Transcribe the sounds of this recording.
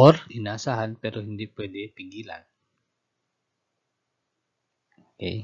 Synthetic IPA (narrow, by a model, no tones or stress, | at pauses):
ɔrinasaɦanpɛɾuɦindipedɛpiŋɡila̰n | kḛj